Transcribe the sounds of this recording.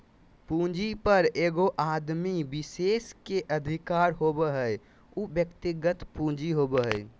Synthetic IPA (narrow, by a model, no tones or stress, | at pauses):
pũd͡ʒipəɾeɡoʔad̪mibiseskeʔəd̪ʱikaɾɦobəɦəj | ubjəkt̪iɡət̪pũd͡ʒiɦobəɦəj